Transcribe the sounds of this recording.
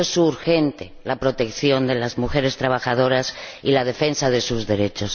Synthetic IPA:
esuɾxe̞nt̪e̞lapɾo̞t̪e̞kθjo̞nd̪e̞lazmuxe̞ɾe̞st̪ɾaβ̞axað̞o̞ɾasilað̞e̞fe̞nsað̞e̞suzðe̞ɾe̞t͡ʃo̞s

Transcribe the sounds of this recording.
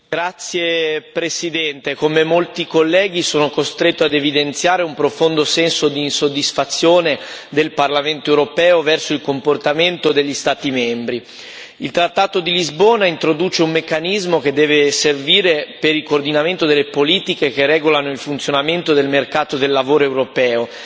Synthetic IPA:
ɡɾat̪sːjepɾesid̪ɛnt̪ekomemolt̪ikolːɛːɡ̟isoːnokost̪ɾet̪ːoad̪evid̪ent̪sjaːɾeumpɾofond̪osɛnsod̪iːnsod̪ːisfat̪sːjoːned̪elparlament̪oewɾopɛːovɛrsoilkomport̪ament̪od̪eʎːist̪aːt̪imɛmbɾi | ilt̪ɾat̪ːaːt̪od̪ilizboːnaint̪ɾod̪uːt͡ʃeumːekːanizmok̟ed̪ːɛːveserviːɾepeɾilkoːrd̪inament̪od̪elːepoliːt̪ikek̟erɛːɡolanoilfunt̪sjonament̪od̪elmerkaːt̪od̪elːavoːɾoewɾopɛːo

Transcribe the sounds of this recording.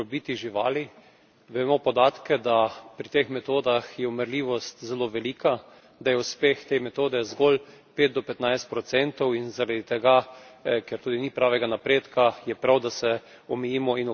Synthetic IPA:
biːt̪iʒiʋa̰ːli | ʋɛmɔpɔd̪aːt̪kɛd̪apɾit̪exmɛt̪oːd̪axjɛɔmɛɾliːʋɔst̪zɛloːʋɛliːka | d̪ajɛuspext̪emɛt̪oːd̪ɛzɡol | peːt̪̚d̪ɔpɛt̪najst̪̚pɾɔt̪sɛnt̪ɔwinzaɾad̪it̪ɛɡakɛɾt̪uːd̪inipɾaːʋɛɡanapɾeːt̪kajɛpɾawd̪asɛ | ɔmɛjiːmɔinɔ

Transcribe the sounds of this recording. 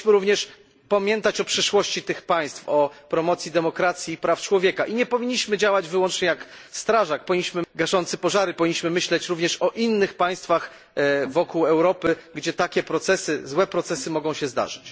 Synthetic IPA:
ɕmɘɾuvɲɛʂ | pamʲjɛnt̪at͡ɕɔpʂɘʂwɔɕt͡ɕit̪ɘxpaj̃st̪fɔpɾɔmɔt̪sʲjid̪ɛmɔkɾat̪sʲjiːpɾaft͡ʂwɔvʲjɛkaʔiɲɛpɔvʲiɲːiɕmɘd͡ʑawad͡ʑvɘwɔnt͡ʂɲɛjakst̪ɾaʐak̚pɔvʲiɲːʲiɕmɘɡaʐɔnt̪sɘpɔʐaɾɘpɔvʲiɲːiɕmɘmɘiɕlɛt͡ɕɾuvɲɛʂɔʔinːɘxpaj̃st̪fax | vɔkuwɛwɾɔpɘɡd͡ʑɛt̪akʲɛpɾɔt̪sɛsɘzwɛpɾɔt̪sɛsɘmɔɡɔ̃w̃ɕɛzd̪a̰ʐɘt͡ɕ

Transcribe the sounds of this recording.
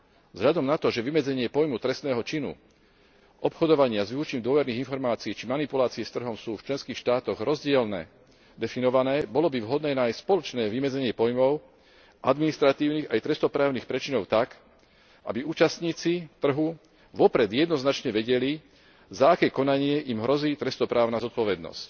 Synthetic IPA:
vzɦʎad̪ɔmnat̪ɔʒɛʋimɛd͡zɛɲɪɛpɔjmut̪ɾɛst̪nɛːɦɔt͡ʃinṵ | ʔɔpxɔd̪ɔʋaɲɪazʋiut͡ʃɲiːmd̪ʊɔʋɛɾniːɣinfɔɾmaːt͡siːt͡ʃimanipulaːt͡siɛst̪r̩ɦɔmsuːft͡ʃlɛnskiːxʃt̪aːt̪ɔɣɾɔzɟɪɛlnɛ̰ː | d̪ɛfinɔʋanɛːbɔlɔbivɦɔd̪nɛːnaːjsspɔlɔt͡ʃnɛːʋimɛd͡zɛɲɪɛpɔjmɔʊ | ʔad̪minist̪ɾat̪iːʊniːɣajt̪ɾɛst̪ɔpɾaːʊniːxpɾɛt͡ʃinɔʊt̪ak | ʔa̰biuːt͡ʃast̪ɲiːt͡sit̪r̩ɦu | ʋɔpɾɛd̪jɛd̪nɔznat͡ʃɲɛʋɛɟɛli | zaakɛːkɔnaɲɪɛʔimɦɾɔziːt̪ɾɛst̪ɔpɾaːʊnazɔt̪̚pɔʋɛd̪nɔ̰sc

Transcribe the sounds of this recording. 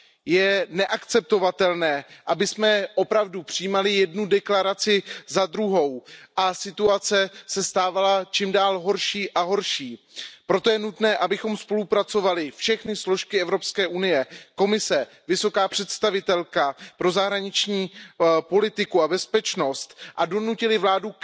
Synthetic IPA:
jɛnɛʔakt͡sɛp̚t̪o̞vat̪ɛlnɛːʔabɪsmɛʔo̞pɾavdupr̥ɪjiːmalɪjɛdnudɛklaɾat͡sɪzad̪ɾuɦo̞wʔasɪt̪uat͡sɛsɛst̪aːvalat͡ʃiːmdaːlɦo̞ɾʃiːʔaɦo̞ɾʃiː | pɾo̞t̪o̞jɛnut̪nɛːʔabɪxo̞mspo̞lupɾat͡so̞valɪfʃɛxnɪslo̞ʃkɪɛvɾo̞pskɛːʔunɪjɛko̞mɪsɛ | vɪso̞kaːpr̝̥ɛt̪st̪avɪt̪ɛlkapɾo̞zaɦɾaɲɪt͡ʃɲiːpo̞lɪt̪ɪkuabɛspɛt͡ʃno̞st̪ʔado̞nucɪlɪvlaːdu

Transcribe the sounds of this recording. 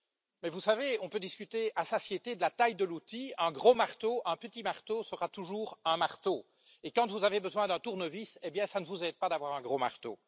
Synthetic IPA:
mɛvusaveɔ̃pød̪iskʲyt̪easasjet̪ed̪əlat̪ajd̪əlut̪iɛ̃ɡʁomaʁt̪oʔɛ̃pət̪imaʁt̪osəʁat̪uʒuːʁɛ̃maʁt̪o | ekɑ̃t̪vuzavebəzwɛ̃d̪ɛ̃t̪uʁnəvisebjɛ̃sanəvuzɛd̪̚pad̪avwaʁɛ̃ɡʁomaʁt̪o̰

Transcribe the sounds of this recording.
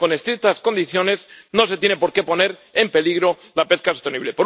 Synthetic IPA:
ko̞ne̞st̪ɾik̚t̪asko̞nd̪iθjo̞ne̞zno̞se̞t̪je̞nepo̞ɾke̞po̞ne̞ɾe̞mpe̞liɣ̞ɾo̞ | lape̞skaso̞st̪e̞niβle̞po̞ɾ

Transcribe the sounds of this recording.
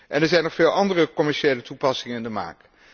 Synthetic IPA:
ʔɛnɛɹzɛjnɔχfɪːlˠɑndərəkɔmɛɹʃejlətupɑsɪŋəɪndəma̰ːk

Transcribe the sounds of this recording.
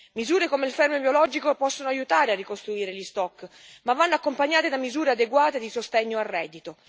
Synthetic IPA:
mizuːɾekomeilfɛɾmebjolɔːd͡ʒikopɔsːonoajut̪aːɾearːikost̪ɾuiːɾeʎist̪ɔkːmavːanːoakːompaɲːaːt̪ed̪amizuːɾead̪eɡwaːt̪ed̪isost̪ɛɲːoarːɛːd̪ːit̪o

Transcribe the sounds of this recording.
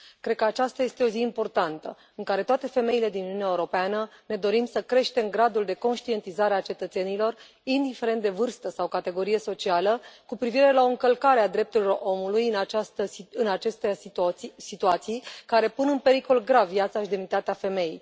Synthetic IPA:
kɾed̪̚kəat͡ʃast̪aje̞st̪e̞o̞ziːmpo̞rt̪ant̪ə̰ | ɨŋkaɾe̞t̪oat̪e̞fe̞me̞ile̞d̪inununeaeuɾo̞peanəne̞d̪o̞ɾimsəkɾe̞ʃt̪e̞mɡɾad̪uld̪e̞ko̞nʃt̪ie̞nt̪izaɾeat͡ʃe̞t̪ət̪se̞nilo̞r | ind̪ife̞ɾe̞nt̪̚d̪e̞vɨrst̪əsawkat̪e̞ɡo̞ɾije̞so̞t͡ʃialəkupɾiviɾe̞laoɨŋkəlkaɾead̪ɾe̞p̚t̪uɾilo̞ro̞mulujɨnat͡ʃast̪əɨnat͡ʃe̞st̪e | sit̪uat̪sijkaɾe̞punɨnpe̞ɾiko̞lɡɾavjat̪saʃid̪emnit̪at̪eafe̞me̞jḭj

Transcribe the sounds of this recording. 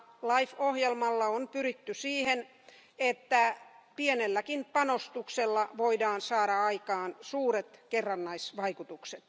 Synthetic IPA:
lɑifohjelmɑlːɑompyrit̪ːysiːhen | et̪ːæpienelːækimpɑnost̪ukselːɑʋoidɑːnsɑːɾɑɑikɑːnsuːɾet̪kerːɑnːɑisʋɑikut̪ukset̪

